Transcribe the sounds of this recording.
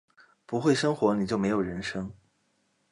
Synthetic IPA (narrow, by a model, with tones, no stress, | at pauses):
pu˧˥xwe˥˩ɪʂɤ˥ŋxwɔ˧˥ni˨˩t͡ɕjo˥˩ʊme˧˥ɪjo˨˩ɻə˧˥nʂɤ˥ŋ